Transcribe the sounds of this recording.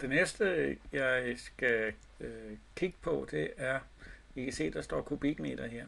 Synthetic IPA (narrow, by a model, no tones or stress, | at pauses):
d̥e̝nesd̥əjɑ̈ɪsɡ̥æ | kʰiɡ̥ə̥pʰɒ̽d̥e̝æɐʋikʰæse̝̰ːd̥ɑsd̥ɒ̰ːkʰub̥iɡ̥me̝̰d̥ɐɦeɐ̰